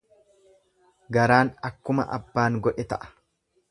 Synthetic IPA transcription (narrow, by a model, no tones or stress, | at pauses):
ɡɐɾaːnɐkːʊmɐ̰ʔɐ̰bːaːŋɡɔᶑɛt̪ɐʔɐ̥